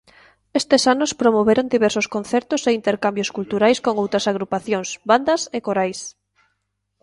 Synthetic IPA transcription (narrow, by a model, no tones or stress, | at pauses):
est̪esanʊspɾomoβeɾoŋd̪iβɛɾsoskõnθɛɾt̪ʊseint̪eɾkambjoskult̪uɾajskoŋowt̪ɾɐsaɣɾupaθjoŋsβand̪ɐsekoɾajs